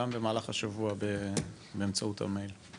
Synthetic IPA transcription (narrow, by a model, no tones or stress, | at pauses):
ambe̞maːlaχaʃavuabe | beːmt͡sautha̰mejl